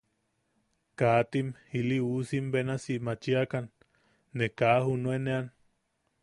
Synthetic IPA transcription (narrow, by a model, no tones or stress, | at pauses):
kaːt̪imhiliusimbenasiʔmat͡ʃiakanː | ekaːhunuenean